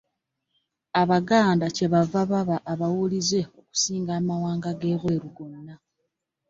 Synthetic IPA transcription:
aβaɡaːndace̞βavaβaβaʔːβawulize̞o̞ku̥siːŋɡaːmawaːŋɡaɡe̞ːɣwe̞ːɾuɡonːa

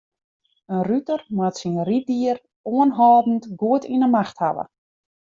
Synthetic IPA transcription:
ənrytərmatsinritdiər | oənɦɔːdn̩tɡuətinəmaxtha̰ʋə̰

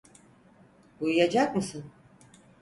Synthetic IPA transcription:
bujujad͡ʒak̚mɯsɯn

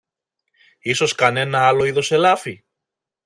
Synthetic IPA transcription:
iso̞skɐne̞nɐɐlo̞iðo̞se̞lɐfi

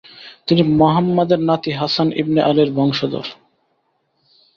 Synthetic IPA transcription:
t̪inimoɦamːad̪eɾnat̪iɦasanʔḭbneʔaliɾbʱɔŋʃod̪o̰ɾ

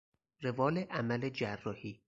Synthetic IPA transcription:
revɒːleʔæmæled͡ʒærːɒːhiː

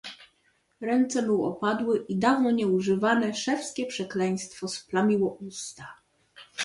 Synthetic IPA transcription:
ɾɛnt̪sɛmuwɔ̰pad̪wɘʔid̪avnɔɲɛuʐɘvanɛʂɛfskʲɛpʂɛklɛj̃st̪fɔsplamʲiwɔʔust̪a

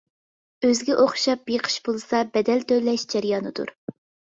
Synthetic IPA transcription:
øzɡʲɛʔoχʃɑpjeqʰə̥ʃbolˠsɑbɛd̪ɛlt̪ʰølɛʃd͡ʒɛɾjɑnɨd̪ṵɾ

